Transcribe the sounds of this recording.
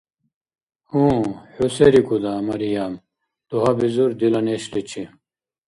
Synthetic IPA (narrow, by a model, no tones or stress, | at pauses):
hũːhuseɾikud̪aːmɐɾijam | d̪̥uɦabizuɾd̪ilɐneɕlit͡ɕʰi